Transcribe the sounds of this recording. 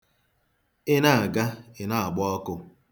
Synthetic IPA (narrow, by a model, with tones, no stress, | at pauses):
ɪ˦na˦a˨ɡa˦ɪ˨na˨a˨ɡ͡bɔ˦ɔ˦kʊ˦